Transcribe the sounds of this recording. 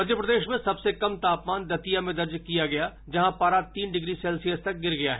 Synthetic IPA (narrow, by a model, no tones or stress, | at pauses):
mɐd̪ʱjəpɾɐd̪eːʃmẽsɐbsekɐmt̪aːpmaːnd̪ɐt̪ijamẽd̪ɐɾd͡ʒkijaɡɐjad͡ʒɐɦãpaːɾaːt̪iːnɖɪɡɾisɛːlsijəst̪ɐk̚ɡɪɾɡɐja̰ɦɛ